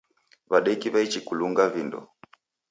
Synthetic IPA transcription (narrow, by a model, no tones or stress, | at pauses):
βaɗɛikiβait͡ʃikuluŋɡavindɔ̰